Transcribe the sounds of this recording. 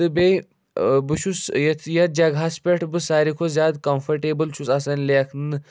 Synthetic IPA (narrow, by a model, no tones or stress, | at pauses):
t̪ɨbe | bɨʃʰusjɐt̪ʰjɐt̪̚d͡ʒaɡʱaːspʲeʈʰbɨsaːɾikʰozjaːd̪kɐmfʰɐɾʈeːbɨlt͡ʃʰusɐsɐnleɐkʰnɨ